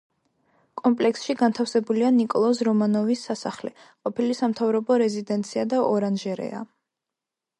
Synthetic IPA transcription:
kʼɔmpʼlɛksʃiɡant̪ʰafsɛbulianikʼɔlˠɔsɾɔmanɔvisːasaχlɛ | qʼɔpʰilisamt̪ʰavɾɔbɔɾɛzid̪ɛnt̪sʰiad̪aʔɔɾanʒɛɾɛ̰a̰

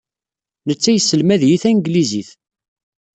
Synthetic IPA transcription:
nət͡sːæjəsːəlmæðjiθænɡliziθ

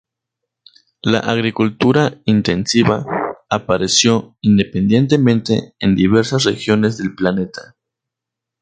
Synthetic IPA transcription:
la̰ʔaɣ̞ɾikult̪uɾaint̪e̞nsiβaapaɾe̞sjo̞ind̪e̞pend̪je̞nt̪̬e̞mẽ̞nt̪e̞̰ːnd̪iβ̞e̞ɾsasrexjo̞ne̞zðe̞lplane̞t̪a

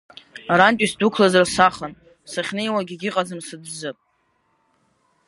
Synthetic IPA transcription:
aɾantʼisdukʷʰlazarsaχan | saχʲnejwaɡʲiɡʲɪqʼad͡zɨmsɨdzɨpʼ

